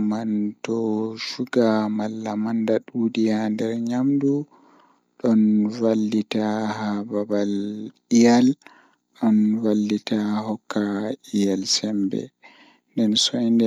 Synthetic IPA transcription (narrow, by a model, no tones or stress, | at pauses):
mantɔʃuɡamalːamandaɗuːdijandɛɾɲamdu | ɗɔnvalːitahababal | ijal | ɗɔnvalːitahɔkʰːaʔijalsɛmbɛ̰ | ndɛnsɔjndɛ